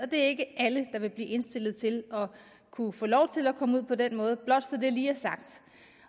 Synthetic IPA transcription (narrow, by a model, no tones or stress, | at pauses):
ɒ̽d̥e̝æɐe̝ɡ̥əʔæləd̥ɑ̈ʋe̝b̥liːe̝nsd̥e̝l̰ð̞̩ˠt͡sʰe̝lɒ̽ | kʰufɔːlɒʊt͡sʰe̝lækʰɒ̽məuð̰ˠpʰɒ̽d̥en̰mɔ̽ːð̞ˠəb̥lɒ̽d̥sɒd̥e̝ɐliːæɐsɑ̈ɡ̥̚d̥